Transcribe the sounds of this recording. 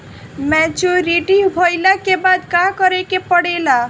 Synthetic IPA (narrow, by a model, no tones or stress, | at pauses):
mɛt͡ʃuɾiʈibʱojlakebad̪kakɔɾekepɔɽela